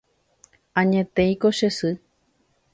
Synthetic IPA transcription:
ãɲẽt̪ẽjkoʃesɨ

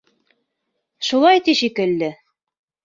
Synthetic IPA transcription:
ʃulˠɑjt̪iʃikɘ̆lːɘ

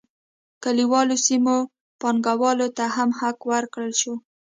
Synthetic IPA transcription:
kaliwɑlosimo | pɑŋɡawɑlot̪aɦamhakwəɾkɽəlʃo

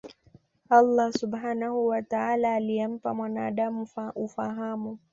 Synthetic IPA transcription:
ʔalˤːɑsubhaːnahuwataaːlaːlijɛm̩pamwanaːɗamuufaɦamu

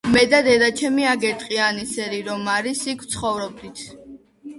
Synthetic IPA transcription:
mɛd̪ad̪ɛd̪at͡ʃʰɛmiaɡɛɾt̪ʼqʼianisɛɾiɾɔmaɾisikʰwt̪sʰχɔvɾɔb̚d̪it̪ʰ

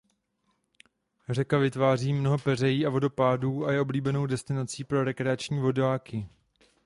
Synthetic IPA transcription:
rɛkavɪt̪vaːriːmno̞ɦo̞pɛr̝ɛjiːavo̞do̞paːduːajɛʔo̞bliːbɛno̞wdɛst̪ɪnat͡siːpɾo̞ɾɛkɾɛat͡ʃɲiːvo̞daːkɪ

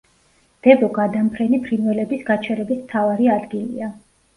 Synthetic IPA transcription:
d̪̥ɛbɔɡad̪ampʰɾɛnipʰɾinvɛlɛbisɡat͡ʃʰɛɾɛbismt̪ʰavaɾiad̪ɡilia

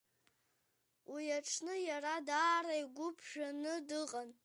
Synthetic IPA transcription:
wʔijaʈ͡ʂʰnɨjaradaːraiɡʷʊpʰʒᶣanɨdɨqʼan

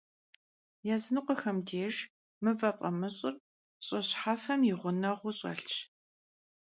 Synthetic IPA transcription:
jɛzɨnɨqʷɔxɐmdeːʒ | mɨvɐfʼɐmɨɕʼɪr | ɕʼɐɕħaːfɐmjɪʁʷʊnɐʁʷʊɕʼɐ̰ɬt͡ʃ

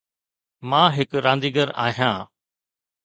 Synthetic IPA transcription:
mãːɦɪkɾãːnd̪iːɡəɾa̰ːɦjãː

